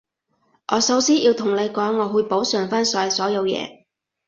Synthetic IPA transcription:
ʔɔː˨˧sɐ˨˧wsiː˥ʔiː˧wt̪ʰʊ˨˩ŋle˨˧jkɔː˨˥ŋːɔː˨˧huː˧jpo˨˥wsœː˨˩ŋfaː˥nsɔː˨˥˨sɔː˨˥jɐ˨˧wjɛ̰ː˨˧

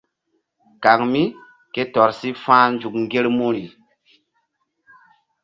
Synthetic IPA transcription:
ka˨ŋmi˦ | ke˦tɔ˨ɾsi˦fãː˦nd͡ʒu˨kŋ˨ɡe˦lmu˦ɾi˨

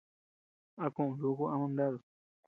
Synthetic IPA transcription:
a˧kũ˦˨ʔũ˨ðu˦ku˦ã˧mã˧nd̪a˦ðo˨

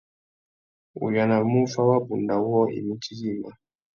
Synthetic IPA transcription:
ṵ˨ja˨na˨mu˦fa˦wa˦bu˨nda˨wɔ˦ḭ˨mu˦ti˦li˦˨ma˨

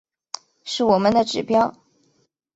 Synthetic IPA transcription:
ʂɻ̩˥˩wɔ˨˩mə˦nd̪ə˨ʈ͡ʂɻ̩˨˩pjɑ˥ʊ

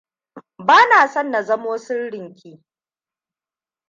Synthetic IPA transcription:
baː˦naː˨sɐ˦˨nːa˨zɐ˦moː˦sɪ˦nɽɪ˨ŋkʲiː˦

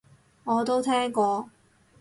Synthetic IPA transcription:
ŋɔː˨˧t̪o˥wt̪ʰɛː˥ŋkɔː˧

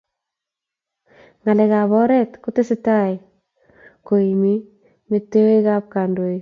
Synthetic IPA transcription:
ŋa˨lɛ˨ka˨βɔ˦ɾɛ˦tkʊ˦te˦sɪ˦ta˦i˨ | ko˨i˨mi˦ | me˨tːe˦we˦ka˦p̚ka˨ndo˨i˨

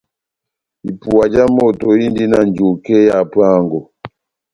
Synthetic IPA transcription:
i˨pu˨a˨d͡ʒa˦mɔ˦˨tɔ˨ji˦ndi˦na˦n˨d͡ʒo˨kɛ˦ja˨pa˦˨ŋɡɔ˨

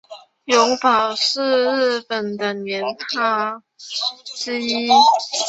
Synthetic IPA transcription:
jʊ˧˥ŋpɑ˨˩ʊʂɻ̩˥˧ɻ̩˥˩pə˨˩nd̪ə˩njɛ˧˥nt̪ʰa˥ | ʈ͡ʂɻ̩˥i˥

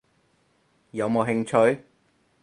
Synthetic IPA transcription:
jɐ˨˧wmo˨˧ɦɪ˧ŋt͡ʃʰɵ˨˧ɥ

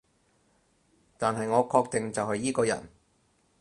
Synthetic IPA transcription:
t̪aː˨nɦɐ˨jŋɔː˨˧kʰɔː˧k̚t̪ɪ˨ŋt͡sɐ˨whɐ˨jːiː˥kɔː˧jɐ̰˨˩n

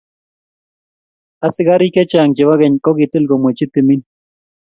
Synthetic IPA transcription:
a˨sɪ˦ɡa˦ɾi˦kɛ˦t͡ʃa˨ŋd͡ʒɪ˨wa˦ɡɛ˨ɲkɔ˦ɡɪ˨te˦lɡo˨mwe˨t͡ʃi˦t̪i˨mi˦n

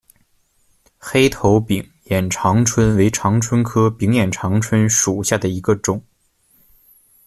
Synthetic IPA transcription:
xe˥ɪt̪ʰo˧˥ʊpi˨˩ŋ | jɛ˨˩nʈ͡ʂʰɑ˧˥ŋʈ͡ʂʰwə˥nwe˧˥ɪʈ͡ʂʰɑ˧˥ŋʈ͡ʂʰwə˥nkʰɤ˥pi˧˥ŋjɛ˨˩nʈ͡ʂʰɑ˧˥ŋʈ͡ʂʰwə˥nʂu˨˩ɕja˥˩d̪ə˩i˧˥ɡə˧ʈ͡ʂʊ˨˩˦ŋ

